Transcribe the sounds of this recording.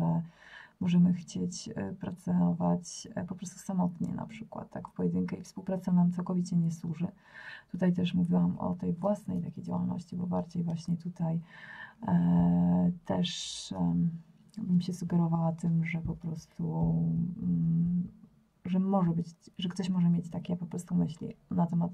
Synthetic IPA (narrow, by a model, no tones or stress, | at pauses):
ɛmɔʐɛmɘxt͡ɕet͡ɕpɾat̪sɔvat͡ɕpɔpɾɔst̪usamɔt̪ɲɛ̰na̰pʂɘkwa̰t̪ːakfpɔjɛd̪ɘŋkɛifspuwpɾat̪sanamt̪awkɔvʲit͡ɕɛɲɛswuʐɘ | t̪ut̪ajt̪ɛʂmuvʲiwamɔ̰t̪ɛjvwasnɛjt̪akʲejd͡ʑa̰wa̰lnɔ̰ɕt͡ɕibɔbaɾd͡ʑejvwaɕɲɛt̪ut̪aj | t̪ɛʂ | bɘmɕɛsuɡɛɾɔvawat̪ɘmʐɛpɔpɾɔst̪u | ʐɛmɔʐɛbɘt͡ɕʐɛkt̪ɔɕmɔʐɛmʲjet͡ɕt̪akʲɛpɔpɾɔst̪umɘɕlʲḭnat̪ɛmat̪